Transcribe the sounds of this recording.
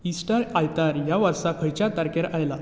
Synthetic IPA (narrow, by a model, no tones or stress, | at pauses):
isʈəɾajt̪aɾjaʋaɾsakʰəjt͡ɕat̪aɾkeɾajla